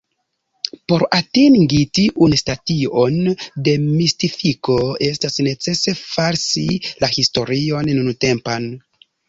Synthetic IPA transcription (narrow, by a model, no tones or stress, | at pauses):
po̞ɾatiŋɡitiʔunstatio̞nde̞mistifiko̞e̞stasne̞t͡se̞se̞faɾsilahisto̞ɾio̞nnunute̞mpan